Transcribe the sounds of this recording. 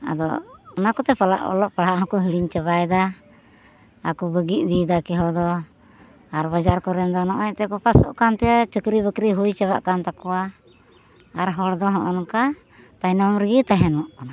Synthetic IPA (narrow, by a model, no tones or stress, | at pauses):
a̰d̪ɔ̰ːnakɔt̪ɛpala̰ʔɔ̰lɔʔpaɽɦaʔɦɔ̃kɔɦiɽiɲt͡ʃəβajd̪a | kubəɡiʔ̚ˀd̪id̪akɛɦɔd̪ɔ | aɾbad͡ʒaɾkɔɾɛnd̪ɔnɔʔɛt̪ɛkɔpasɔʔkant̪ɛjat͡ʃəkɾibəkɾiɦujt͡ʃaβa̰ʔkant̪akɔwa | aɾɦɔɽd̪ɔɦɔʔɔnɔka | t̪ajnɔmɾəɡit̪aɦɛnɔʔɔna